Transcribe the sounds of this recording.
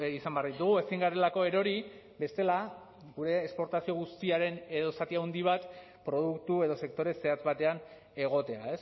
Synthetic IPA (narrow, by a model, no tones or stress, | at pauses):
isambeaɾðit̪uɣ̞ue̞siŋɡaɾe̞lako̞e̞ɾo̞ɾi | be̞st̪e̞la | ɣuɾe̞ːkspo̞ɾt̪asio̞ɣ̞ust̪iaɾe̞ne̞ðo̞sat̪iaund̪iβ̞at̪ | pɾo̞ð̞ukt̪ue̞ðo̞se̞k̚t̪o̞ɾe̞se̞at͡sβat̪e̞an | e̞ɣ̞o̞t̪e̞a̰e̞s